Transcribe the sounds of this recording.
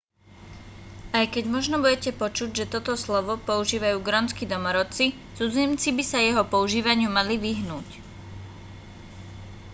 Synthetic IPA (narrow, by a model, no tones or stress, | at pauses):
ʔajkɛɟmɔʒnɔbuɟɛcɛpɔt͡ʃuɟʒɛt̪ɔt̪ɔslɔʋɔpɔuʒiːʋajuːɡɾɔnt͡skid̪ɔmɔɾɔt͡si | t͡sud͡zimt͡sibisajɛɦɔpɔuʒiːʋaɲɪumaliʋiɦnuːc